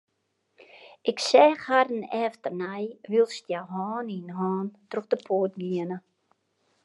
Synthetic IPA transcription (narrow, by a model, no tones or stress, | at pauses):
ʔɪksɛːxhadənɛːftərnɛjʋilˠstjawɦɑːninɦɑːntroxdəpʰoətɡiənə